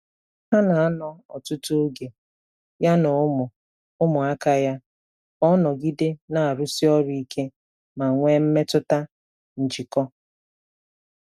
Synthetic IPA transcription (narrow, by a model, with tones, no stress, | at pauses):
ɦa˦na˨a˦nɔ˦ɔ̰˨tʊ˦tu˦ɡe˨ | ja˦nɔ˨˦mʊ˨ | ʊ˦mʊ˨a˦ka˦ja˦ | ɔ˦nɔ˨ɡi˦dɪ˦na˨a˨ɾu˦si˦ɔ˦ɾi˨i˦kʰe˦ | ma˨ŋʷe˦m̩˦me˦tʊ˦ta˦ | n̩˨d͡ʒi˨kɔ˦